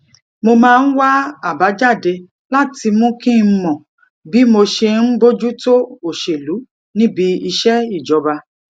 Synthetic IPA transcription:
mo˧mãː˦˧n̩˦wa˦a˨ba˨˦d͡ʒa˦˨de˧ | la˦ti˧mõ˦kĩ˦˧˦mɔ̃˨ | bi˦mo˧ʃe˧n̩˦bo˦d͡ʒu˦to˦o˨ʃe˨lu˨˦ | nĩ˦bi˧˦i˧ʃɛ˦i˦˨d͡ʒɔ˨˧ba˧

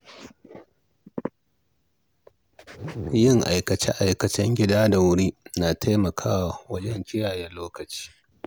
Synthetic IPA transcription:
jɪ˦˨ŋʔa̰˨jkɐ˨t͡ʃɛ˦ʔa˨jkɐ˨t͡ʃɛ˦ŋɡʲɪ˦daː˦da˨wʊ˦ɽiː˦na˨tʰa˦mɐ˨kʰaː˦wa˨wɐ˦d͡ʒɛ˦ŋkʲɪ˦jaː˨jɛ˦loː˦kɐ˨t͡ʃi̥ː˦

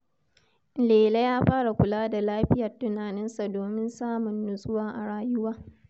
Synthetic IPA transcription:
leː˨le˦jaː˦ɸaː˦ɽa˨kʷʊ˨laː˦da˨laː˦ɸɪ˦jɐ˨rtʊ˦naː˨nɪ˦nsa˨doː˨mɪ˦nsaː˦mʊ˨nːʊ˨sʼʊ˦waː˦ʔa˨ɽaː˨jʊ˦waː˦

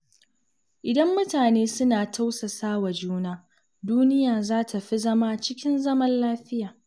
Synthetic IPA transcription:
ʔɪ˨dɐ˦mːʊ˦taː˨neː˦sʊ˦naː˨tʰa˦wsa˨saː˦wa˨d͡ʒuː˦naː˦ | duː˦nɪ˦jaː˨zaː˦tʰa˨ɸi˦zɐ˦ma˦t͡ʃɪ˦kʲɪ˦nzɐ˦mɐ˦nlaː˦ɸɪ˦jaː˨

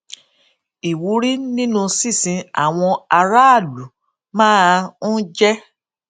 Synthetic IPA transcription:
i˨wu˨˦ɾi˦nĩ˦nũ˦˧si˦˨sĩ˧a̰˨w̃ɔ̃˧a˧ɾa˦a˦˨du˨˦ | mãː˦n̩˦d͡ʒɛ˦

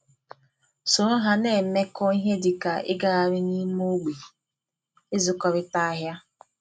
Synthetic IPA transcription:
so˨ɾo˦ɦa˨ne˨me˦kɔ˦i˦ɦe˦dɪ˨ka˨ʔɪ̰˦ɡa˨a˨ɾɪ˦ɲi˦m˦o˦ɡ͡bi˨ | ɪ˦zʊ˨kɔ˨ɾɪ˦ta˦a˦ɦja˦

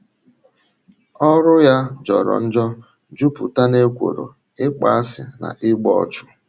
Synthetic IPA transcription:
ɔ˦ɾʊ˦ja˦d͡ʒɔ˨ɾɔ̰˨n̩˦d͡ʒɔ˦ | d͡ʒu˦pʊ˨ta˦ne˦kʷo̰˨ɾo̰˨ | ɪ˦k͡pa˦a˦sɪ˨na̰˨ʔɪ˦ɡ͡bɔ˦t͡ʃʊ̥˦

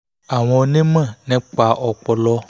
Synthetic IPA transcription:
a˨w̃ɔ̃˨nẽ˦mɛ̃˦˨nɛ̃˦k͡pa˨ʔɔ˨k͡pɔ˨lɔ˦

